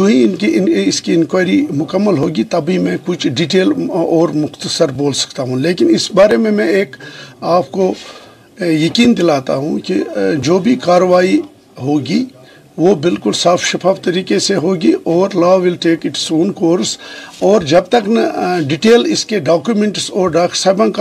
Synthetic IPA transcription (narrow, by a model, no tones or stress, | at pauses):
d͡ʒoɦĩɪnkiɪskiɪ̃nkwaːɪɾimʊkəmːəlɦoːɡit̪ɐbʱimɛ̃kʊt͡ʃʰɖiʈeːlɔːɾmʊxt̪əsəɾboːlsɐ̥k̚t̪aɦũleːkɪnɪsbaːɾemẽmɛ̃eːkaːpko | jɐkiːnd̪ɪlaːt̪a̰ɦũkid͡ʒoːbʱikaːɾəʋaːi | ɦoːɡi | ʋoːbɪlkʊlsaːfʃɐfʰaːft̪ɐɾiːkeseɦoːɡiʔɔːɾlaːʋɪlʈeːkɪʈsoːnkoːɾsɔːɾd͡ʒɐb̚t̪ɐknɐɖɪʈeːlɪskeɖaːkjumẽɳʈsɔːɾɖaːksaːbãk